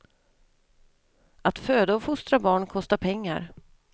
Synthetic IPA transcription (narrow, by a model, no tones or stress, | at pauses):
at̪føːd̪aɔfʊst̪ɾabɑːɳkʰɔst̪apʰɛŋːa̰ɾ